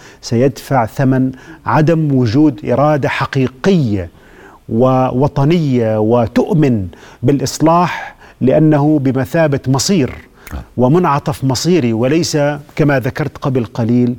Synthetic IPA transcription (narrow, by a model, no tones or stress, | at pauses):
sajad̪faʕθamanʕad̪amwʊd͡ʒuːd̪ʔɪ̰ɾˤɑːd̪aħaqiːqɪjːa | wɪwɑt̪ˤɑnɪjːawɪt̪ʊʔmɪnbɪlʔɨsˤlɑːħlɪʔanːahʊbɪmaθaːbat̪mɑsˤiːɾ | wɪmʊnʕɑt̪ˤɑfmɑsˤiːɾiwɪlajsakamaðakɑɾˤt̪qɑblqɑliːl